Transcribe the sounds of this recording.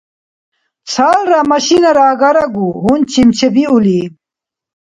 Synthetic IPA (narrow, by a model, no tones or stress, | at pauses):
t͡sʰaːlɾamɐɕinɐɾaːɡɐɾɐɡuɦunt͡ɕimt͡ɕebiuli